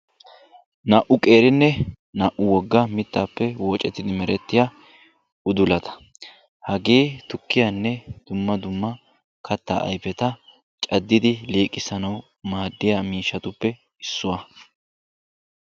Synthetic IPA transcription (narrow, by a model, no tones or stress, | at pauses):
nɐʔʊkʼe̞ːɾɪnːɛ | nɐʔʊwɔɡːɐmɪt̪ːaːpːɛwɔːt͡ʃʼɛt̪ːɪd̪ɪmɛɾɛt̪ːɪja | ʊd̪ʊlɐt̪ɐ̥ | hɐɡeːt̪ʊkːɪjɐnːɛd̪̥ʊmːɐd̪ʊmːɐ | kʰɐt̪ːa̰ːʔɐ̰jpɛt̪ɐ | t͡ʃʼɐd̪ːɪd̪ɪliːkʼːɪsɐnɐw | maːd̪ːɪjamiːʃːɐt̪ʊpːɛ | ɪsːʊwɐ